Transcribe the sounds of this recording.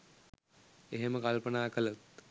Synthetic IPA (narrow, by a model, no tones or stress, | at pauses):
eɦeməkalpənaːkələt̪